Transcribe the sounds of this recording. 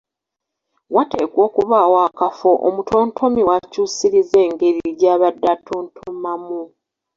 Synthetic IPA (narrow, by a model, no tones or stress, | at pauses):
wate̞ːkwo̞ːkuβaːwaːkafo̞ʔomutʰo̞ːntʰo̞miwacuːsiɾize̞ːŋɡe̞ɾiɟaːβadːatuːntʰumamu